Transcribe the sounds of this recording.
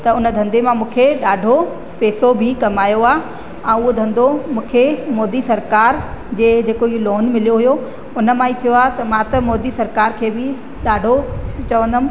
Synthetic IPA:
t̪ɐʊnəd̪ʱɐ̃nd̪emãmũːkʰeɗaːɖʱo | peːsobʱɪkɐmaːjoaː | ɛ̃ːʊɦod̪ʱɐ̃nd̪omũːkʰemɔːd̪isɐɾkaːɾd͡ʑeːd͡ʑeːkoiloːnmɪlijoɦujo | ʊnə̆mãːit̪ʰijoaːɦt̪ɐmãt̪ɐmɔːd̪isɐɾkaːɾkʰeːbɪ | ɗaːɖʱot͡ɕəʋə̃nd̪əm

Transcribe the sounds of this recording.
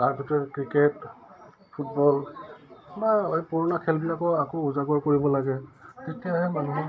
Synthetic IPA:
kaɹpʰjutɛɹkɹiket | pʰutbɔl | maɹepɔɹunakʰɛlbilakɔakouzaɡɔɹkoɹibɔlaɡɛtetijaɦɛmanuɦɛ

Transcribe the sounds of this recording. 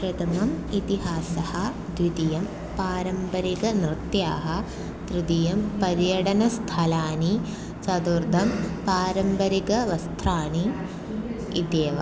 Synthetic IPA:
pɾɐt̪ɐmɐmit̪iɦaːsɐhɐ | d̪ʋid̪ijɐm | paːɾɐmpɐɾiɡɐnɾɨt̪jaːɦɐ̆ | t̪ɾɨd̪ijɐmpɐɾjɐɽɐnɐst̪ʰɐlaːni | t͡ʃɐd̪uɾd̪ʱɐmpaːɾɐmbɐɾikɐʋɐst̪ʰɾaːɳi | id̪eːʋɐ̰

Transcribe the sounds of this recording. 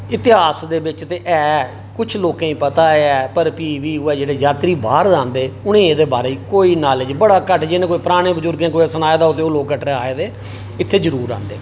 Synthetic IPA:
ɪt̪ɪɦaːsd̪eːbɪt͡ʃt̪eːʔɛː | kʊt͡ʃʰloːkãːĩːpət̪aːɛːpəɾpiːʋiːʊɛːd͡ʒeːɽeːd͡ʒaːt̪ɾiːbaːɾdãːnd̪eːʊñẽːeːd̪eːbaːɾeːiːkoːiːnaːled͡ʒbəɽaːkəʈʰd͡ʒɪnẽːkoːiːpəɾaːɽ̃eːbəd͡ʒʊɾɡẽːkoːisənaːeːd̪aːot̪eːoːloːkːəʈɾeaːeːd̪eː | ɪt̪ʰːeːd͡ʒəɾuːɾã̰ːnd̪eː

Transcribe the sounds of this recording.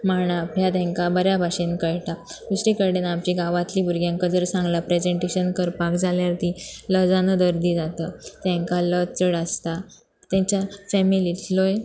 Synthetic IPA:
maɳ̃aapljat̪ɛ̃ŋkabəɾjabʱaɕenkəjʈa | d̪usɾikəɽenapt͡ɕiɡaʋãt̪liːbʱuɾɡjãŋkəd͡zəɾsãŋɡlapɾed͡zeɳʈeɕənkəɾpakd͡zaljaɾt̪iləd͡zanəd̪əɾd̪iːd͡zat̪ət̪ɛ̃ŋkalət͡səɽəst̪a | t̪ɛ̃ɲt͡ɕjafɛmilit̪loj

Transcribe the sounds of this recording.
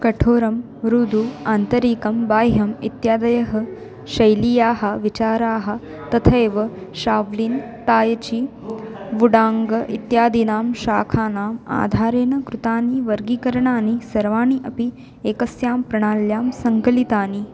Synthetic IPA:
kɐʈʰoːɾɐm | ɾud̪ʱuaːnt̪ɐɾiːkɐmbaːjɦɐmḭt̪jaːd̪ɐjɐɦɐ | ʃɐjlijaːɦɐ̆ʋit͡ʃaːɾaːɦɐ̆ | t̪ɐt̪ʰɐeːʋɐʃaːʋliːn | t̪aːjɐt͡ʃi | ʋuɽaːŋɡɐʔit̪jaːd̪inaːmʃaːkʰaːnaːma̰ːd̪ʱaːɾeːnɐkɾut̪aːniʋɐɾɡiːkɐɾɐɳaːnisɐɾʋaːɳiʔɐpi | eːkɐsjaːmpɾɐɳaːljaːmsɐŋkɐlit̪aːni

